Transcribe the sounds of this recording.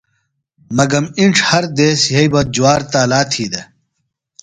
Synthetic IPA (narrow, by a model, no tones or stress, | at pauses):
mɐɡɐmiɳʈ͡ʂʰhɐɾd̪eːsjɐibɐd͡ʑuwaːɾt̪aːlaːt̪ʰiːd̪ɐ